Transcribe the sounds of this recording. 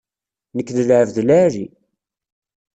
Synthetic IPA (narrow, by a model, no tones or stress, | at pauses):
nəkːðəlʕəvðlaɾi